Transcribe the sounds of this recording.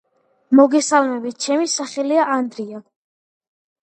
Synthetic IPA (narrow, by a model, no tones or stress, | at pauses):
mɔɡɛsalˠmɛbit̪̚ʰt͡ʃʰɛmisaχɛliaʔand̪ɾia